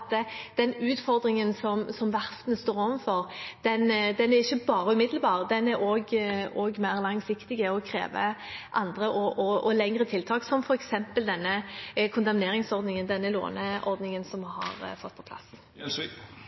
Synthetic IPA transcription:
t̪ːəd̪̥ɛnʉːt̪fɔʁd̪ɾɪŋənsɔmsɔmʋɑst̪nəst̪oːɾoːʋənfɔɾd̪̥ɛnd̪ɛnæʁɪçːəbɑːɾəʉːmɪd̪lbɑːʁd̪ɛnæɾoɡoːɡmæɪʁlɑŋsɪkt̪ɪɡəɔkʰɾḛːʋə̰ʔɑnd̪ʁəʔɔʔɔɔlɛŋʁət̪ʰɪlt̪ʰɑːksɔmfɔɾɛksɛmpəld̪ɛnːəkʰʊnt̪ɑmneːɾɪŋsɔʁd̪nɪŋənd̪ɛnːəlo̰ːnəɔɾd̪nɪŋənsɔmhɑ̰ɾfɔt̪ːpʰɔ̥pʰlɑ̰s

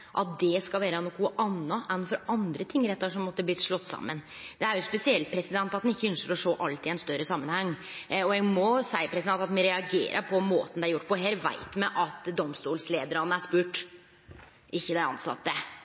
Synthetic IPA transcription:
ʔɑt̪̚d̪ɛskɑlʋæːɾəɑnʊkʰuːʔɑnːɑʔɛnfɔɾɑnd̪ɾət̪ʰɪŋːɾɛt̪ːɑʂɔmːɔt̪ːəblɪt̪ʂɭɔt̪ːsɑ̰mːən | d̪̥ɛæɾjʊspɛsɪɛlt̪̚pʰɾɛsɪd̪ɛnt̪ɑt̪d̪ɛnɪçːəœnsəɾɔʂoːʔɑlt̪ɪæɛnst̪œɾəsɑmːənhɑŋːɔɛɡmɔsæɪəpʰɾɛsɪd̪ɛnt̪ɑt̪mɛɾɛɑɡḛːɾʔə̰ɾpʰɔmoːt̪nd̪ɛæɾjʊʈːpʰɔɦeːɾʋæ̰ɪt̪mɛʔɑt̪d̪ɔmst̪uːlsleːd̪əɾɑnːəæʂpʉːʈ | ʔɪçːəd̪æɑ̰nsɑ̰t̪ːə

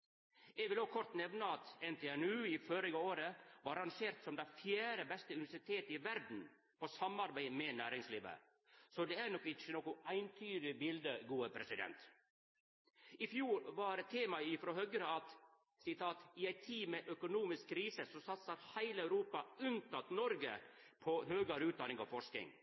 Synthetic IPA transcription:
ɛɡʋɪlɔɡ̚kʰɔɾt̪nɛʋnəɑt̪ɛnt̪ʰɛɛnʉːɪfɔɾɪɡəoːɾəʋɑɾɑnʃeːɾt̪sɔmd̪æɪfjæːɾəbɛst̪əʉnɪʋæsɪt̪ʰeːt̪əɪʋæɾd̪n̩ | pɔsɑmɑɾbæɪmɛnæːɾɪŋsliːʋə̰ | sɔd̪ɛæɾnɔkːɪt͡ʃənoːkʊʔæɪnt̪ʰyːd̪ɪbɪld̪əɡuːəpʰɾɛsɪd̪ɛ̰nt̪ | ɪfjuːɾʋɑɾɛt̪ʰːeːmɑɪfɾoːɦœɡɾəɑt̪ | sɪt̪ʰɑːt̪ɪæɪt̪ʰiːmɛʔœkʊnuːmɪskkʰːɾiːsəsɔsɑt̪səɾhæɪləæʉɾuːpɑʉnt̪ɑt̪nɔɾɡəpʰɔhøːɡəɾʉːt̪̚d̪ɑnɪŋɑ̰ʋfɔʂknɪ̰ŋ

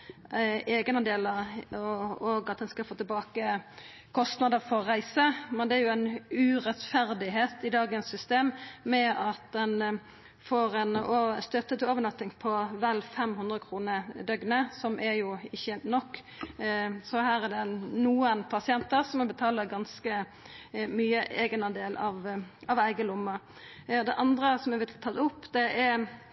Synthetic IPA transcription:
eːɡnəd̪eːləɾ | oɡɑt̪̚d̪ɛnskɑlfoːt̪ɪlbɑːkə | kʰɔst̪nɑd̪əfɔʁæɪsəmɛnd̪ɛæɾjʊæɪnʉʁɛt̪fæɾd̪ɪɦeːt̪ɪd̪ɑːɡənsːʏst̪eːmːɛɑt̪d̪ɛn | foːɾɛnɔst̪œt̪ːət̪ʰɪloːʋəɳɑt̪ːɪŋpʰɔʋælfɛmɦʉnd̪ʁəkʰɾuːnəd̪œɡnəsɔmʔæɾjʊɪçːənɔkː | sɔhæːɾæd̪ɛnuːənpʰɑsɪɛnt̪əɾsɔmɛbət̪ʰɑːləɾɡɑnskə | myːəʔeːɡənɑd̪eːlɑʋɑʋæɪɡəlʊmːɑ | d̪ɛʔɑnd̪ɾəsɔmɛbɪt̪ʰɑt̪ʊpːd̪̥ɛʔæɾ

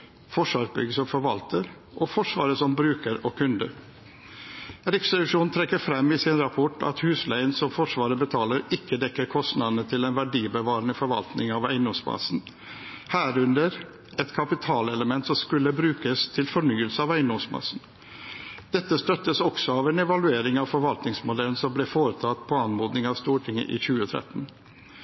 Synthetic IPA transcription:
fɔʂʋɑːɾbʏ̰ɡəsɔmfɔɾʋɑlt̪əɾ | ʔɔfɔʂʋɑ̰ːɾəsɔmbɾʉːkəɾɔkʰʉnd̪ə̰ɾ | ɾɪksɛlɪʂuːnnt̪ʰɾɛkːəɾfɾɛmːɪsɪnɾɑpʰɔʈɑ̰t̪hʉːslæɪənsɔmfɔʂʋɑːɾəbət̪ʰɑːləɾɪkːəd̪ɛkːəɾkʰɔst̪nɑd̪ənət̪ʰɪlɛnʋæɖiːbəʋɑːɾənəfɔɾʋɑ̰lt̪nɪŋɑʋæɪnɔmsmɑ̰sn̩ | hæːɾʉnd̪əɾ | ɛt̪kʰɑpɪt̪ʰɑːlɛləmɛnt̪sɔmskʉlːəbɾʉːkəst̪ʰɪlfɔɳyːəlsəɑʋæɪnɔmsmɑ̰sn̩ | d̪̥ɛt̪ːəst̪œt̪ːəsɔksɔɑʋɛnɛʋɑlʉeːɾɪŋɑʋfɔɾʋɑlt̪nɪŋsmʊd̪ɛlən̩sɔmblɪfoːɾət̪ʰɑt̪pʰɔɑnmoːd̪nɪŋɑʋst̪uːʈʰɪŋə̰ʔɪ̰çʉːət̪ʰɾɛ̰t̪n̩

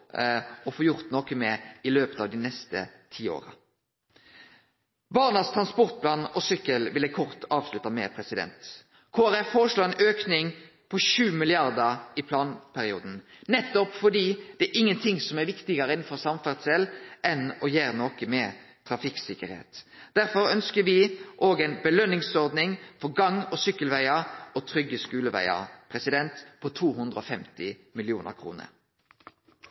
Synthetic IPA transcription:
ɔfoːjʊɾt̪nɔkəmɛɪløːpət̪ɑːʋd̪ɪnɛst̪ə̰t̪ʰiːo̰ːɾə̰ | bɑːʁnɑst̪ʰɾɑnspɔʁt̪̚pʰlɑːnɔsʏkːəlʋɪlækʰɔʁt̪ʰɑːʋslʉt̪ːɑmɛ̰pʰɾɛsɪd̪ɛ̰nt̪ | kʰoːæɾʁɛfːoːɾəʂloːɛnøːknɪŋ | pʰɔʃʉːmɪlɪɑɾd̪əɾɪpʰlɑːnpʰæɾɪuːd̪n̩nɛt̪ːɔpfɔd̪iːd̪̥ɛæʔɪŋːənt̪ʰɪŋsɔmæɾʋɪkt̪ɪɡəɾəɪnn̩fɔʁsɑmfæʁd̪sɛlʔɛnɔjeːɾnoːkəmɛ | t̪ʰɾɑfɪksɪkəɾhḛːt̪d̪̥æɾfɔɾœnskəʋɪʔoːɡɛɪnbəlœnːɪŋsɔɾd̪nɪŋfɔɾɡɑŋɔsʏkːəlʋæɪəɾɔt̪ʰɾʏɡːəskʉːləʋæ̰ɪə̰ɾpʰɾɛsɪd̪ɛnt̪pʰɔt̪ʰuːɦʉnd̪ʁəɔfɛmt̪ɪmɪlɪuːnə̰ɾkʰʁṵːnə̰ɾ

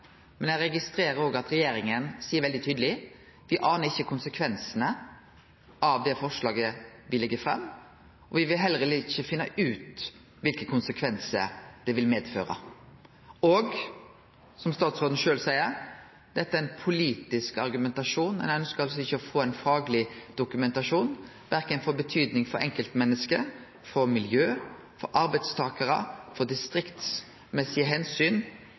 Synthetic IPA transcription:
mɛnjæɾɛɡɪst̪ɾeːɾəɾoːɡɑt̪ɾɛjeːɾɪŋənsiːəɾʋɛld̪ɪt̪ʰyːd̪əlɪ | ʋɪʔɑːnəɾɪçːəkʰʊnsəkʰʋɛnsənə | ʔɑʋd̪ɛfɔʂlɑːɡəʋɪlɪɡːəfɾɛ̰mː | ɔʋɪʋɪlɦɛlʁəlɪɪçːəfɪnːəʔʉːt̪ | ʋɪlkəkʰʊnsəkʰʋɛnsə̰ɾd̪̥ɛʋɪlmeːd̪fø̰ːɾə̰ | ɔɡ | sɔmst̪ɑːt̪sʁoːd̪n̩ʃøːlsæɪəɾ | d̪̥ɛt̪ːəæɛɪnpʰʊliːt̪ɪskɑɾɡʉmɛnt̪ɑʂuːnmɛ̰nænskɑls̬ɔɪçːəɔfoːæɪnfɑːɡlɪd̪̥ʊkʉmɛnt̪ɑʂuːn | ʋæɾkənfɔɾbət̪ʰyːd̪nɪŋfɔɾɛŋkəlt̪mɛnːəskə | fɔɾmɪljøː | fɔ̰ɾʔɑɾbæɪd̪st̪ʰɑːkəɾə̰fɔd̪ɪst̪ɾɪkt̪s | mɛsɪəɦɛnsyːn

